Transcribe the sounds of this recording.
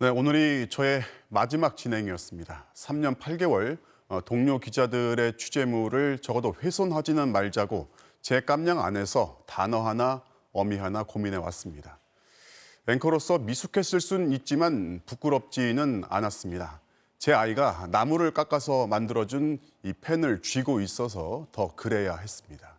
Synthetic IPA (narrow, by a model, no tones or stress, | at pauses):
ne̞onɯɾit͡ɕʌe̞mad͡ʑimak̚t͡ɕ͈inɦe̞ŋiʌs͈ɯmɲidasʰamɲʌnpʰaɭɡe̞wʌɭ | toŋɲokid͡ʑadɯɾe̞t͡ɕʰu̥d͡ʑe̞muɾɯɭt͡ɕʌɡʌdoɸe̞sʰonɦad͡ʑinɯnmaɭd͡ʑaɡo | t͡ɕe̞k͈amɲaŋa̰ne̞sʰʌtanʌɦana | ʌmiɦanakomine̞wa̰s͈ɯmɲida | e̞ŋkʰʌɾos͈ʰʌmisʰukʰe̞s͈ɯɭs͈unit̚t͡ɕ͈imanpuk͈uɾʌp̚t͡ɕ͈inɯna̰nas͈ɯmɲida | t͡ɕe̞aiɡanamuɾɯɭk͈ak͈asʰʌmandɯɾʌd͡ʑun | ipʰe̞nɯɭt͡ɕɥiɡois͈ʌs̬ʰʌtʌkɯɾe̞jaɦe̞s͈ɯmɲida